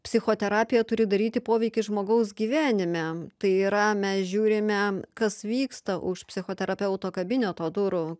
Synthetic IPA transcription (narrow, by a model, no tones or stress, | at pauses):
pʲsʲɪxoːt̪ʲɛɾɑːpʲɪjɛt̪ʊɾʲɪd̪ɐɾʲiːt̪ʲɪpoːʋʲɛɪkʲɪʒmoːɡɐʊsɡʲiːʋʲæːnʲɪmʲɛt̪ɐɪiːɾɐmʲɛsʒʲuːɾʲɪmʲɛkɐsʋʲiːkst̪ɐʔʊʃpʲsʲɪxoːt̪ʲɛɾɐpʲɛʊt̪oːkɐbʲɪnʲɛt̪oːd̪ʊɾʊ